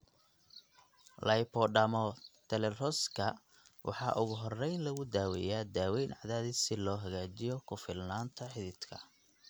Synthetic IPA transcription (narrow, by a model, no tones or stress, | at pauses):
lʔɐjpʰɔɖɐmɔt̪ʰɛlɛrɔskʰɐ | wʔɑ̰ħɑ̰ːʔʊɣʊɦɔrːɛjnlɐɣʊd̪aːwɛ̰jaːd̪aːwɛjnʕɑðaːðɪsɪlɔːɦɐɣaːt͡ʃɪjɔkʰʊfɪlnaːnt̪ʰɐħɪðɪd̪kʰɐ̰